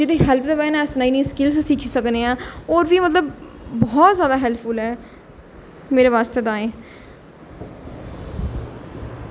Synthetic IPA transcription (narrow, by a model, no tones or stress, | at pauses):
d͡ʒɪt̪eːɦɛːlpʰd̪eːbɛːnãɛsnãːiːnĩːskɪlssiːkʰiːsəkneːãːɔːɾʋiːmət̪ləbː | ɔːt̪zjaːd̪aːɦɛlpʰʊlɦɛː | meːɾeʋaːst̪eːd̪aːẽː